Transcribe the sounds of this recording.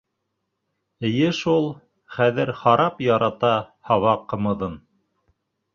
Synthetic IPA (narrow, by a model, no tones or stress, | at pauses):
ɘ̆jɘʃulˠ | χæðɘɾχɑɾɑpjɑɾɑt̪ɑhɑwɑqːɤ̆mɤ̆ðɤn